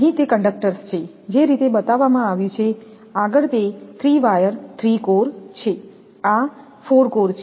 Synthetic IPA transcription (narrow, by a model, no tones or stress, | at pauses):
ɦĩt̪ekəɳɖək̚ʈəɾst͡ʃʰe | d͡ʒeɾit̪ebət̪aʋːamãaʋjũt͡ʃʰe | aɡəɭt̪et̪ʰɾiʋajəɾt̪ʰɾikoɾt͡ʃʰe | a | foɾkoɾt͡ʃʰ